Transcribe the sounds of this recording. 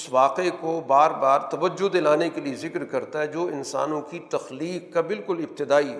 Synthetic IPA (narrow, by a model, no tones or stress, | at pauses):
ʊsʋaːqekobaːɾbaːɾt̪ɐʋəd͡ʒʊd̪elaːnekeliezɪkɾkɐɾt̪aɦɛd͡ʒoːɪnsa̰ːnõkit̪ɐxliːqkabɪlkʊlɪb̚t̪ɪd̪aːi